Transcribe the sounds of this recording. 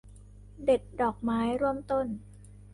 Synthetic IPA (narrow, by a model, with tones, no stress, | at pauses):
de˨˩t̪̚dɔː˨˩k̚maː˦˥jɾu˥˩əmt̪o˥˩n